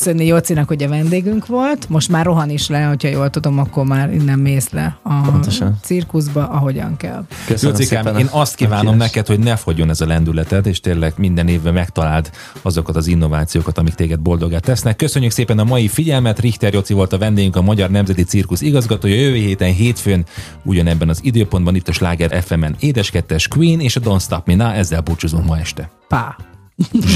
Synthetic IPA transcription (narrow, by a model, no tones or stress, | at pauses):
sønːijot̪sinɒkhoɟɒvɛnd̪eːɡyŋkʋo̞lt̪mo̞ʃt̪maːrːo̞ɦɒniʃlɛho̞chɒjoːlt̪ud̪o̞mɒkːo̞rmaːrḭnːɛmːeːslɛ̰ɒʃt̪sirkuzbɒʔɒɦo̞ɟɒ̰ŋkɛ̰lkøsjosikaeːnɒst̪kiːvaːnomnɛkɛt̪ho̞ɟnɛfo̞ɟo̞nɛzɒlɛnd̪ylɛt̪ɛt̪eːʃt̪eːlːɛɡmind̪ɛneːvːɛmɛkt̪ɒlaːld̪ | ɒzo̞kɒt̪ɒzinːo̞vaːt̪sijoːkɒt̪ɒmikt̪eːɡɛd̪̚bo̞ld̪o̞ɡaːt̪ːɛsnɛkːø̞søɲːykseːpɛnɒmɒjifiɟɛlmɛt̪rixt̪ɛrjo̞t̪sivo̞lt̪ɒvɛnd̪eːjyŋkɒmɒɟɒrnɛmzɛt̪it̪sirkuʃiɡɒzɡɒt̪oːjɒjøveːɦeːt̪ɛnɦeːt̪føːn | ṵɟɒnɛbːɛnɒzid̪øːpo̞nd̪bɒnit̪ːɒʃlaːɡɛɾʔɛ̰fɛmɛneːd̪ɛʃkɛt̪ːɛʃkʋiːneːʃɒd̪o̞nst̪ɒpminaɛzːɛlbuːt͡ʃuzuŋkmɒɛʃt̪ɛ | pa